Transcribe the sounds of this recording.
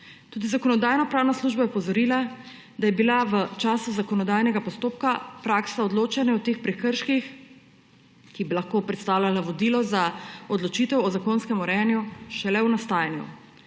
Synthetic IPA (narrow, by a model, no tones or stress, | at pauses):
t̪uːd̪izakɔnɔd̪aːjnɔpɾaːwnasluʒbajɛpɔzɔɾiːla | d̪ajɛbilaʋət͡ʃaːsuzakɔnɔd̪aːjnɛɡapɔst̪oːp̚kapɾaksaɔd̪loːt͡ʃanɛɔt̪eːxpɾɛkəɾʃkix | kibilaxkoːpɾɛt̪st̪aːwlʲalaʋɔd̪ilɔzaɔd̪lɔt͡ʃit̪ɛwɔzakoːnskɛmɔɾɛanjuʃɛlɛwnast̪aːjnjṵ